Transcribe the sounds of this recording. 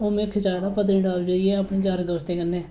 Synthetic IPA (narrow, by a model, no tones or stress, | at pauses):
oːmẽkʰɪt͡ʃaːd̪aːpəd̪niːɖaːbd͡ʒaːɪeːapɳiːd͡ʒaːɾid̪oːʃt̪eːkənːeː